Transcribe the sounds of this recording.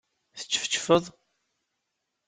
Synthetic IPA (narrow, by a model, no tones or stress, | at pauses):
θə̥t͡sːə̥fə̥t͡ʃːfəðˤ